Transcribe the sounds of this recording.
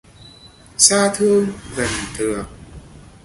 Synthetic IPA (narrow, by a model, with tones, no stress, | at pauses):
saː˧t̪ʰɨ˧əŋɣə˨˩nt̪ɨ˨˩ək̚